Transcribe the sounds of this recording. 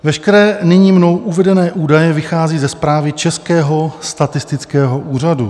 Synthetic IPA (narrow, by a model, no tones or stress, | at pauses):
vɛʃkɛɾɛːnɪɲiːmno̞wʔuvɛdɛnɛːʔuːdajɛvɪxaːziːzɛspɾaːvɪt͡ʃɛskɛːɦo̞st̪at̪ɪst̪ɪt͡skɛːɦo̞ʔuːr̝adṵ